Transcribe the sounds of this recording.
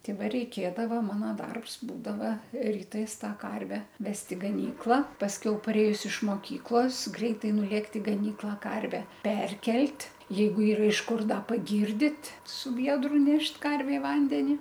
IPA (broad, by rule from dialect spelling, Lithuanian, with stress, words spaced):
ˈtʲɪ ˈʋɐ rʲɛɪˈkʲeːdɐʋɐ ˈmɑːnoː ˈdɐrps ˈbuːdɐʋɐ rʲiːˈtɐɪs ˈtɑː ˈkɐrʲʋʲɛ ˈʋʲɛst ɪ ɡɐˈnʲiːklˠɐ pɐsʲˈkʲɛʊ pɐˈrʲeːjʊs ɪʃ moːˈkʲiːklˠoːs ˈɡrʲɛɪtɐɪ nʊˈlʲeːkt ɪ ɡɐˈnʲiːklˠɑː ˈkɐrʲʋʲɛ ˈpʲɛrʲkʲɛlʲtʲ ˈjɛɪɡʊ ˈiːrɐ ɪʃ ˈkʊr ˈdɐ pɐˈɡʲiːrʲdʲɪt sʊ ˈʋʲiɛdrʊ ˈnʲɛʃt ˈkɐrʲʋʲeːm ˈʋɐnʲdʲɛnʲɪ